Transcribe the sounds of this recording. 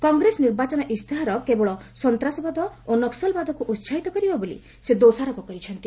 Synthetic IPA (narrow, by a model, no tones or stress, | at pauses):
kɔŋɡɾesɔniɾbat͡ʃɔnɔʔist̪ʰiɦaɾɔkebɔɭɔsɔnt̪ɾasɔbad̪ʱɔonɔksɔlbad̪ʱɔkuʔut̪ʃʰaɦit̪ɔkɔɾibabolḭ | sed̪osaɾɔpɔkɔɾit͡ʃʰɔnt̪i